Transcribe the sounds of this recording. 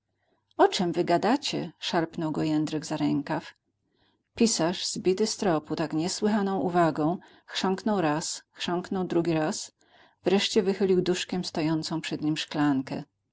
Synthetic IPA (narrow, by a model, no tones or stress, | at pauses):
ɔt͡ʂɛmvɘɡad̪at͡ɕɛ̰ʂaɾpnɔwɡɔjɛnd̪ɾɘɡzaɾɛŋkaf | pʲisaʐz̥bʲit̪ɘst̪ɾɔput̪akɲɛswɘxanɔ̃w̃ʔuvaɡɔ̃w̃ | xʂɔŋknɔwɾasxʂɔŋknɔwd̪ɾuɡʲiɾas | v̥ɾɛʂt͡ɕɛvɘxɘlʲiwd̪uʂkʲɛmst̪ɔjɔnt̪sɔ̃w̃pʂɛd̪ɲimʂklaŋkɛ̰